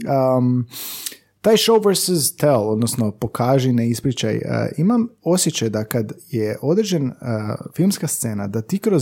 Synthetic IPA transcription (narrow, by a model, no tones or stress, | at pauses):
ə | t̪aːjʃowʋeɾsɪzt̪elˠo̞d̪nosno̞po̞kʰaːʒineispɾit͡ɕa̰j̰imamo̞sjet͡ɕajd̪akad̪jeʔo̞d̪ɾ̩d͡ʑenfilˠmskast̪se̞ːnad̪at̪iːkɾo